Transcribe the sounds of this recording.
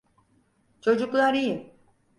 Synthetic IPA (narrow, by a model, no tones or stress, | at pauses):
t͡ʃʰo̞d͡ʒuklˠaɾijɯ